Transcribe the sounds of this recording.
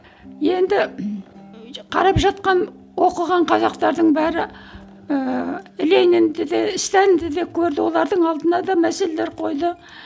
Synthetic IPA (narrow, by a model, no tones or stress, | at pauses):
je̞nd̪ɪ | qʰɑ̰ɾɑpʒɑt̪̚qɑn | wo̞qəʁɑɴqʰɑzɑqt̪ɑɾd̪əɴbæɾɪ | əɪlenɪnd̪ɪd̪eɪst̪ænd̪ɪd̪e̞kʲʰɵɾd̪ɪwo̞lˠɑɾd̪əɴɑlˠd̪ənɑd̪ɑmæse̞leleɾqʰo̞jd̪ə